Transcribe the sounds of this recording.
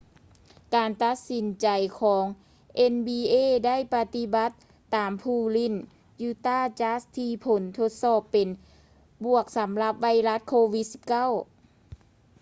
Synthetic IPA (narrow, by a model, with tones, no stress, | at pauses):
kaː˨nt̪a˧t̪̚si˨˦nt͡ɕa˨˩jkʰɔː˩˨˦ŋ | ʔe˧nbiː˧ʔeː˧˩˨da˥˨jpa˧t̪i˧˦ba˧˦t̪ː | aː˨˩mpʰuː˧˩li˧˥˩n | juː˧t̪aː˥˩t͡ɕa˧˦˥st̪ʰiː˧pʰo˨˦nt̪ʰo˧t̪̚sɔː˧˩pːe˨n | bu˨˩ək̚sa˨˦mla˧p̚ʋa˧jla˧˦˥t̪̚kʰoː˧wi˧˥t̪̚si˧˦p̚ka˥˨w